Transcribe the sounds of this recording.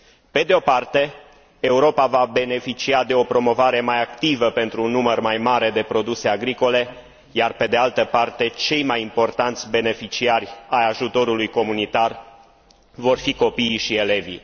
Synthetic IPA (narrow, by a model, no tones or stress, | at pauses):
pe̞d̪eo̞part̪e̞ː | uɾo̞pavabe̞ne̞fit͡ʃiad̪e̞o̞pɾo̞mo̞vaɾe̞majakt̪ivəpe̞nt̪ɾuːnːumərmajmaɾe̞d̪e̞pɾo̞d̪use̞aɡɾiko̞le̞ | jarpe̞d̪e̞alt̪əpart̪e̞t͡ʃe̞jmajimpo̞rt̪ant̪sʲbe̞ne̞fit͡ʃiarʲajaʒut̪o̞ɾulujko̞munit̪ar | vo̞rfiko̞piʃie̞le̞vi